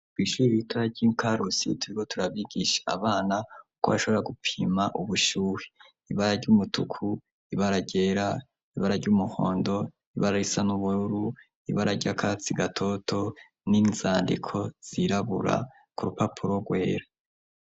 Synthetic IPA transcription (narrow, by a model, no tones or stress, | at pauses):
tɡwiːʃuːɾituɾaɾɟiːŋkaɾusḭtuɾiko̞tuɾaβiɡiʃḁa̰βaːnaukoβaʃo̞βoɾaɡupʰiimaʔuβuʃuːwe | iβaɾaɾɟuːmutukʰu | iβaɾaɟe̞ːɾa | iβaɾaɾɟuːmuho̞̰ːndo̞ | iβaɾaɾisanuβuɾuɾu | iβaɾaɾɟakʰat͡siɡatʰo̞tʰo̞ | ninzaːndḭkʰo̞z̥iɾaβṵɾa̰ | kuɾupapʰuɾo̞ɡwe̞ːɾa